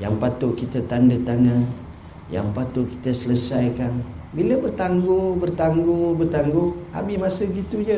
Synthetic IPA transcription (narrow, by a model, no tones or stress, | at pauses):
jaŋpat̪ʊʔkit̪ət̪andət̪ana | ja̰ŋpat̪ʊʔki̥t̪əsələsajkan | biləbərt̪aŋɡobərt̪aŋɡobərt̪aŋɡoa̰bɪhmasəɡit̪ud͡ʒə